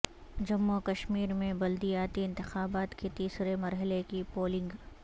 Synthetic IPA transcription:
d͡ʒɐmːokɐʃmiːɾmẽbɐld̪ijaːt̪iɪ̃nt̪ɪxaːbaːt̪ket̪iːsɾemɐɾɦəlekipoːlɪ̃ŋɡ

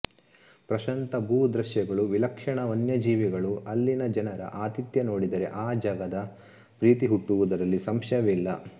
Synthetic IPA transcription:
pɾɐʃɐnt̪ɐbʱuːd̪ɾɐʃjɐɡɐɭuʋilɐkʂɐɳɐʋɐnjɐd͡ʒiːʋiɡɐɭuɐlːinɐd͡ʒɐnɐɾɐ̰ʔaːt̪it̪jɐno̞ːɽid̪ɐɾe̞̰ʔaːd͡ʒaːɡɐd̪ɐ | pɾiːt̪iɦuʈːuʋud̪ɐɾɐlːisɐmʃɐʋilːɐ

